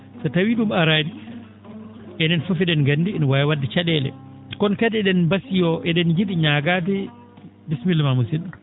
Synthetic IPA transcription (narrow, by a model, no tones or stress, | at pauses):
satawiɗumaɾaːdi | ɛnɛnfufiɗɛnɡandinwajwadːit͡ʃaɗɛlɛ̰ | kɔnkaɗɛɗɛnbasijɔʔɛɗɛnd͡ʒiɗiɲaɡat̬i | dismilmamusinɗu